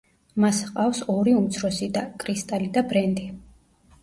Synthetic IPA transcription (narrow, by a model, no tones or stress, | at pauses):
masqʼafsɔɾiumt̪sʰɾɔsid̪akʼɾist̪ʼalid̪abɾɛnd̪i